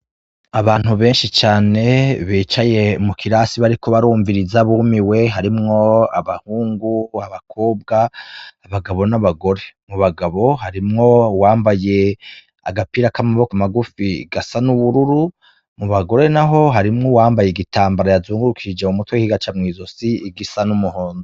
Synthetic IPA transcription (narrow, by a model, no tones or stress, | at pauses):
aβaːn̥huβe̞ːnʃit͡ʃaːne̞βiːt͡ʃaje̞mukʰiɾasiβaɾiko̞βaɾuːɱviɾizaβumiwe̞ɦaɾimŋo̞aβahuːŋɡuaβakʰo̞ːb̚ɡaː | βaɡaβo̞naβaɡo̞ɾe̞muβaɡaβo̞haɾimŋo̞waːmbaje̞ | a̰ɡapiɾakamaβo̞kamaɡufiɡasanuβuɾuɾu | muβaɡo̞ɾe̞naɦo̞ɦaɾimŋowaːmbajeɡitaːmbaɾajazuːŋɡuɾukʰid͡ʒeumutwehiɡat͡ʃamŋiːzo̞siiɡisanumuho̞ːnzi